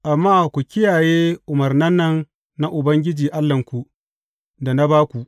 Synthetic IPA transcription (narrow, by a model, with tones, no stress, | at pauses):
ʔa˨mːaː˦kʷu˨kʲɪ˦jaː˨jeː˦ʔʊ˨mɐ˨rnɐ˦nːɐ˦nː | a˦ʔʊ˨bɐ˦ŋɡʲɪ˦d͡ʒiː˨ʔa˦lːɐ˨ŋkʷu˨ | da˨na˦baː˦kʷu˨ʔ